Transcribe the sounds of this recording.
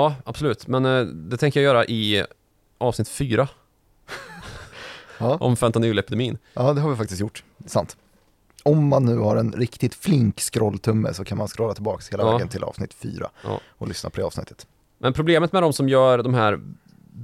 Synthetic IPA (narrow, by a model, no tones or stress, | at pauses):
ɑːab̥sʊlʉ̟ːt̪mɛnd̪ɛt̪ʰɛŋkəjajœːɾaʔɪ | ʔɑːvsnɪt̪ːfyːɾa | ɑːʔɔ̰mfɛmt̪anʉːlɛpɪd̪ɛmiːnjɑːd̪ɛhaɾvɪfak̚t̪ɪst̪jʊʈːsant̪ | ɔmːanːʉ̟ːhaɾɛnɾɪkt̪ɪt̪flɪŋkskɾɔlːt̪ʰɵmːə̰sɔkʰanmanskɾɔːlːat̪ɪlbɑːksheːlavɾɡənt̪ʰɪlɑ̰ːv̥snɪt̪fy̰ːɾa̰ɑ̰ː | ɔlʏsnapʰɔd̪ɛɑːvsnɪ̰t̪ːə̥t̪ | mʔɛnpʰɾʊbleːmət̪mɛd̪ɔmsɔmjœːɾd̪ɔmɦæːɾ